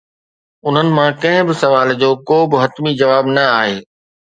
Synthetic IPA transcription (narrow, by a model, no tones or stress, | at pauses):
ʊn̤ənɪ̆mãkɐ̃ɦɪ̃bɪsɐʋaːld͡ʑoːkoːbɪɦɐt̪mid͡ʑɐʋaːbnɐaːɦeː